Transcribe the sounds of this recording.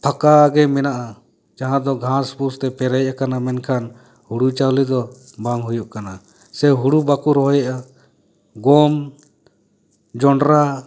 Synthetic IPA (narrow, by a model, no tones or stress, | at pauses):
pʰakaɡɛmɛnaʔa | d͡ʒaɦãd̪ɔɡʱãspust̪ɛpɛɾɛjʔakanamɛnkʰan | huɽut͡ʃawlid̪ɔ | baŋɦujuʔkana | sɛɦuɽubakuɾɔɦɔjaʔa | ɡɔm | d͡ʒɔɳɖɾa